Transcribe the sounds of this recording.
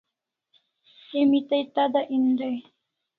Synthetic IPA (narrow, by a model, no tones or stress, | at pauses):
emɪt̪ajt̪ad̪aʔɪnd̪aj